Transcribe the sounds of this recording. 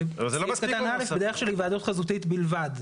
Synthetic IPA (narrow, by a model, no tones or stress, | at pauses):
zeloakatannalefbed̪eʁeχʃelivaːd̪ut̪χazut̪it̪bilvad̪